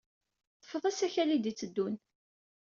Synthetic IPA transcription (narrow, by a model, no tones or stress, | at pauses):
θə̥fəðˤæsæçælid̪it͡sːəd̪ːun